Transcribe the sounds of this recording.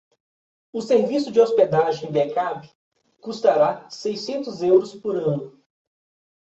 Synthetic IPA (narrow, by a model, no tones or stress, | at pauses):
ʊseɾvisʊd͡ʒɪosped̪aʒẽj̃d̪ekapɪ̥ | kust̪aɾasejsẽnt̪ʊzɛwɾʊspoɾɐ̃nʊ